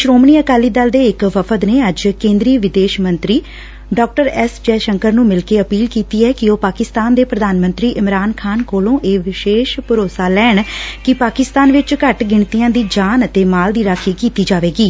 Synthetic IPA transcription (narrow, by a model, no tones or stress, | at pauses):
ʃɾoːmɳiːəkaːliːd̪əld̪eːɪkʋəpʰəd̪neːəd͡ʒkẽːnd̪ɾiːʋɪd̪eːʃmənt̪ɾiː | ɖɔːk̚ʈəɾɛsd͡ʒɛːʃəŋkəɾnũːmɪlkeːəpiːlkiːt̪iːɛːkɪoːpaːkɪst̪aːnd̪eːpɾəd̪aːnmə̃nt̪ɾiːʔɪmɾaːnkʰaːnkoːlõːʔeːʋɪʃeːʃpʊɾoːsaːlɛːɳkɪpaːkɪst̪aːnʋɪt͡ʃkəʈɡɪɳt̪ijãːd̪iːd͡ʒaːnət̪eːmaːld̪iːɾaːkʰiːkiːt̪iːd͡ʒaːʋeːɡiː